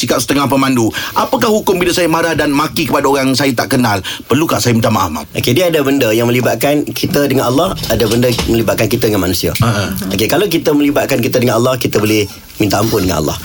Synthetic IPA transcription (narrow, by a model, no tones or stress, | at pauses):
sikap̚sə̥t̪əŋahpəmanduʔapakahɦukʊmbilasajamaɾahdanmakikəpadaoɾaŋsajat̪a̰ʔkənalpərlukaʔsajamint̪amaʔa̰hma̰ʔokediəadabəndəjaŋmə̃libat̪̚kankʰit̪ədəŋanʔalːɑhadabəndəmə̃libaʔ̪̚kankit̪adəŋanmanũsiaaʔʔokekalawk̬it̪əmə̃libat̪̚kankit̪ədəŋanalːɑhkit̪əbolɪh | mĩnt̪aʔampʊndəŋa̰nʔɑ̰lːɑ̰h